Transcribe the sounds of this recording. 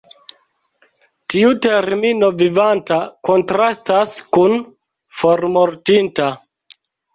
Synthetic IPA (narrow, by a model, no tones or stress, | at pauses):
tiuteɾmino̞vivantako̞ntɾastaskun | fo̞ɾmoɾtinta